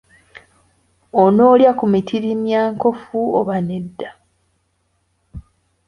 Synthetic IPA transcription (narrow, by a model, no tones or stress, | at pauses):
ono̞ːljakumitʰiɾimjaːŋko̞fuoβanedːa